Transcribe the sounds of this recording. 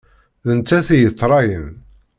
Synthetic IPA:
ðənt͡sːæθijəθˤːɾˤɑjən

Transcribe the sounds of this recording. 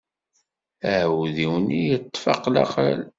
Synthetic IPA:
æʕwðiwnijət̪ˤːfɑqlɑ̰qlæ̰l

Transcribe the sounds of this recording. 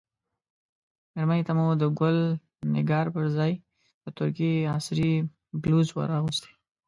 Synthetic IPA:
meɾmənit̪amud̪əɡʊl | nɪ̰ɡɑɾpəɾzɑj | d̪̥ət̪ʊɾkiɑsɾi | bluzwa̰ɾɑɣust̪e̥

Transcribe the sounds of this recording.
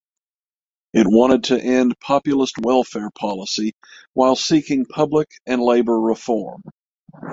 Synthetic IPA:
ɨt̚wɑ̃ɾ̃ɨd̚tʰɨʔɛ̃npʰɑpjl̩ˠəst̚wɛlˠfɛɹpʰɑlˠəsi | waɪlˠsikɪ̃ŋpʰʌbləkɨ̃nleɪbə˞ɹəfɔɹm

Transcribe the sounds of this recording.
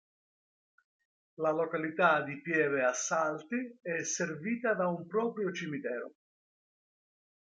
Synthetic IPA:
lalɔkalit̪ad̪ipjɛːvɪasːalt̪iɛserviːt̪ad̪aumpɾɔːpɾjot͡ʃimit̪ɛːɾʊ̰

